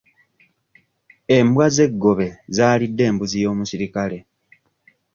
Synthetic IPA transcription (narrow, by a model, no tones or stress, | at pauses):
e̞mbwaze̞ɡːo̞βe̞zaːlidːe̞ːmbuzijo̞ːmusiɾikale̞